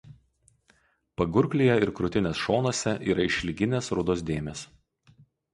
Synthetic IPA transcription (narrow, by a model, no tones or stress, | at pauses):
pɐɡʊɾʲklʲijɛɪɾkɾʊt̪ʲɪnʲeːsʃoːnoːsʲɛʔiːɾɐɪʃʲlʲɪɡʲɪnʲeːsɾʊd̪oːs̬d̪ʲeːmʲeːs